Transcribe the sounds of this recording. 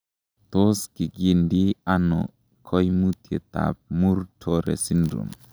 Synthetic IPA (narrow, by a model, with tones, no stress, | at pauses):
t̪o˦ski˨ɡi˨ndi˦anɔ˨ | kʰɔ˦jmu˦t̪je˨t̪a̰˨p̚mu˦ɾtʰɔɾḛ˨si˦ndɾṵ˨m